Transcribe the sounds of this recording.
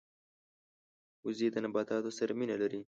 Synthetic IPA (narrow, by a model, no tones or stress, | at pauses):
ʊzid̪ənabɑt̪ɑt̪osaɾaminalaɾi